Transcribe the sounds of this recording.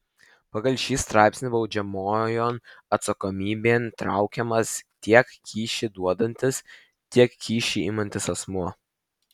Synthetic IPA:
pɐɡɐlʲʃʲiːst̪ɾɑˑɪpʲsʲnʲɪbɒʊd͡ʒʲɛmoːjoːnɐt̪sɐkoːmʲiːbʲeːnt̪ɾɑ̰ˑʊkʲɛmɐst̪ʲiɛkkʲiːʃʲid̪uɔd̪ɐnʲt̪ʲɪs | t̪ʲiɛkkʲiːʃʲiiːmɐnʲt̪ʲɪsɐsmuɔ

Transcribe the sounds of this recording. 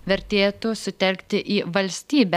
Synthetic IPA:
ʋʲɛɾʲt̪ʲeːt̪usʊt̪ʲɛlʲkt̪ʲɪʔiːʋɐlʲsʲt̪ʲiːbʲɛ

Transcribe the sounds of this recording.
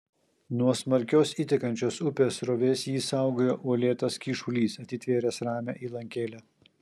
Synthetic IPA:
nuɔsmɐɾʲkʲoːsit̪ʲɪkɐnʲt͡ʃʲoːsʊpʲeːsɾoːʋʲeːsjiːsɑˑʊɡoːjoːʔuɔlʲeːt̪ɐskʲiːʃʊlʲiːsɐt̪ʲɪt̪ʲʋʲeːɾʲɛsɾɑːmʲæ̰ːʔiːlˠɐŋʲkʲeːlʲæ

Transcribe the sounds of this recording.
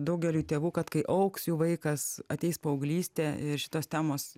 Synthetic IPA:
d̪ɐʊɡʲɛlʲuːt̪ʲeːʋuːkɐt̪kɐɪʔɐʊksjuːʋɐɪkɐsɐt̪ʲɛɪspoːʊɡlʲiːsʲt̪ʲeːɪɾʃʲɪ̥t̪oːst̪ʲæːmoːs

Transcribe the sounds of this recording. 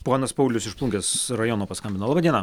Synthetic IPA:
poːnɐspɐʊlʲʊsɪʃplˠuŋkʲeːsɾɐjoːnoːpɐskɐmʲbʲɪnɐlˠɑbɐd̪ʲiɛnɐ

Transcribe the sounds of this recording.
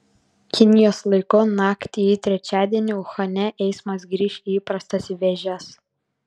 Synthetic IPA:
kʲɪnʲɪjoːslˠɐɪkoːnɑːkt̪ʲiit̪ʲɾʲɛt͡ʃʲæːd̪ʲiɛnʲɪʊxɐnʲɛʔɛɪsmɐs̬ɡɾʲiːʃʲiiːpɾɐst̪ɐsiʋʲɛʒʲɛs

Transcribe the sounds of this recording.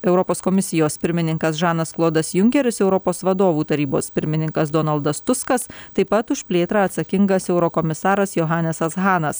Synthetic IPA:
ɛʊɾɔpoːskoːmʲɪsʲɪjoːspʲɪɾʲmʲɪnʲɪŋkɐsʒɑːnɐsklˠoːd̪ɐsjʊŋʲkʲɛɾʲɪsɛʊɾɔpoːsʋɐd̪oːʋuːt̪ɐɾʲiːbo̰ːspʲɪɾʲmʲɪnʲɪŋkɐsd̪ɔːnɐlˠd̪ɐst̪ʊskɐst̪ɐɪpɐt̪ʊʃʲpʲlʲeːt̪ɾɑɐt̪sɐkʲɪŋɡɐsɛʊɾɔkoːmʲɪsɑːɾɐsjoːɦɑːnʲɛsɐsɣɑːnɐs

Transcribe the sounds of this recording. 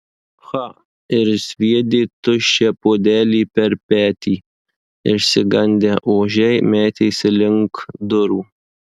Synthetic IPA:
xɑ | ɪɾsʲʋʲiɛd̪ʲeːt̪ʊʃʲɛpoːd̪ʲæːlʲiːpʲɛɾpʲæːt̪ʲiː | ɪɾsʲɪɡɐnʲd̪ʲɛʔoːʒʲɛɪmʲæːt̪ʲɛɪsʲɪlʲɪŋkd̪ʊɾuː

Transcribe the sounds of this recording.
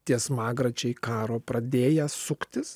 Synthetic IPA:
t̪ʲiɛsmɑːɡɾɐt͡ʃʲɛɪkɑːɾoːpɾɐd̪ʲeːjɛsʊkt̪ʲɪs

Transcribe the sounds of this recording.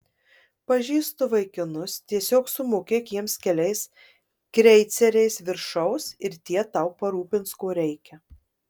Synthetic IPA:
pɐʒʲiːst̪ʊʋɐɪkʲɪnʊst̪ʲiɛsʲoːksʊmʊkʲiɛkʲiɛmskʲɛlʲɛɪs | kɾʲɛɪt̪sʲɛɾʲɛɪsʋʲɪɾʃɐʊsɪɾt̪ʲiɛt̪ɑˑʊpɐɾuːpʲɪnt̪skoːɾʲɛɪkʲɛ

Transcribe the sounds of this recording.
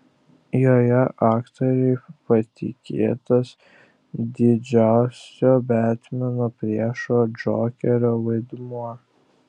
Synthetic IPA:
joːjɛʔɑːkt̪oːɾʲɛɪpɐt̪ʲɪkʲeːt̪os | d̪ʲɪd͡ʒʲæˑʊsʲoːbʲæːt̪ʲmʲɛnoːpʲɾʲiɛʃoːd͡ʒoːkʲɛɾʲoːʋɐɪd̪muɔ

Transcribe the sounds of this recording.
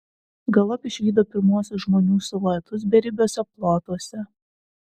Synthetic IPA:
ɡɐlˠɐpɪʃʲʋʲiːd̪oːpʲɪɾmuɔsʲʊsʒmoːnʲuːsʊlˠɐjt̪ʊs̬bʲɛɾʲɪbʲoːsʲɛplˠoːt̪uɔsʲɛ

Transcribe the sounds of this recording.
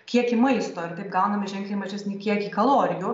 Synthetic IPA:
kʲiɛkimɐɪst̪oːɪɾt̪ʲɐɪp̚ɡɐʊnɐmɪʒʲɛŋklʲɪːmɐʒʲɛsʲnʲiːkʲiɛkiːkɐlˠoːɾʲɪjuː

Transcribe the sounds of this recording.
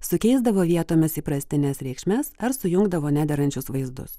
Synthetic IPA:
sʊkʲɛɪzd̪ɐʋoːʋʲiɛt̪oːmʲɪsiːpɾɐsʲt̪ʲɪnʲeːsɾʲɛɪkʃʲmʲɛsɐɾsʊjʊŋɡd̪ɐʋoːnʲæːd̪ʲɛɾɐnʲt͡ʃʲʊsʋɐɪzd̪ʊ̰s

